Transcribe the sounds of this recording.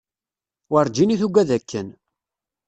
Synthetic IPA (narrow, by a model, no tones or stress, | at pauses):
wəɾˤd͡ʒiniθuɡʷæðækʰːən